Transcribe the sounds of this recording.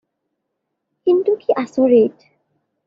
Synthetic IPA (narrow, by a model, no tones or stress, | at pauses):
kintukiʔasɔ̃ɹet